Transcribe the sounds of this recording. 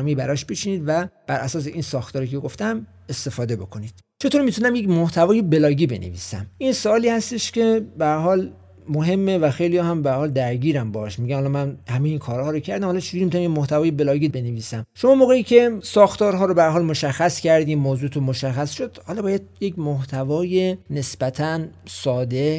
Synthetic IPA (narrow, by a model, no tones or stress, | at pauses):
mibæɾɒʃbet͡ʃʰiniːd̪væb̥æɾʔæsɒːs̬eʔinsɒːxt̪ɒːɾiːcʰeɡoft̪æm | e̞st̪e̞fɒːd̪e̞bo̞̰kʰo̞nid̪̥ | t͡ʃʰe̞t̪ʰoːɾmit̪ʰunæmjecmoht̪ʰævɒːje̞be̞lɒːɡiːbe̞̰nevḭːsæ̰mʔinsoɒːliːhæst̪e̞ʃkʲe̞bææɾɦɒːl | moɦe̞mːevæxejlijɒːhæmbææɾhɒːld̪æɾɡiːɾæmbɒːʃmiɡɟæmhɒlɒmænhæmejiːnkʰɒːɾhɒːɾocʰæɾd̪æmhɒlɒt͡ʃʰed͡ʒuɾimit̪unæmjemoht̪ævɒːjebe̞lɒːɡiːbe̞neviːsæmʃomɒmoːɣeiːcʰe̞sɒːxt̪ɒːɾɦɒːɾobeæɾɦɒːlmoʃæxːæscʰæɾd̪immoːzuːt̪ʰunmoʃæxːæsʃod̪̥hɒlɒːbɒːjæd̪̚jekmoht̪ʰævɒːjene̞sbæt̪ʰænsɒːd̪e̞